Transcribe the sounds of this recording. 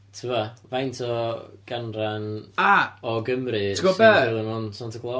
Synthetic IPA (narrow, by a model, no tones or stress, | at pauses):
tʰuavajntʰɔɡ̥anranaɔɡəmrɨɡ̥ɔbɛɛlˠɪmɔnsantʰəɡlˠɔ